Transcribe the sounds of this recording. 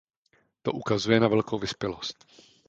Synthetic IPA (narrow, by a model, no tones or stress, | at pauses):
t̪o̞ʔukazujɛnavɛlkowvɪspjɛlost̪